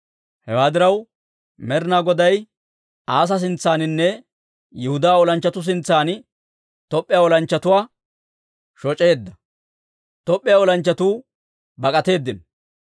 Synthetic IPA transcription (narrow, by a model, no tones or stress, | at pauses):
hɛwaːd̪ɪɾɐw | mɛɾɪnaːɡɔd̪ɐj | aːs̬ɐs̬ɪnt͡sːaːnɪnːɛ | jɛhʊd̪aːɔlɐnt͡ʃːɐt̪ʊs̬ɪnt͡sːaːn | t̪ɔpʼːɪjaːɔlɐnt͡ʃːɐt̪ʊwaː | ʃɔt͡ʃʼe̞ːd̪ːɐ | t̪ɔpʼːɪjaːɔlɐnt͡ʃːɐt̪uː | bɐkʼɐt̪e̞ːd̪ːɪn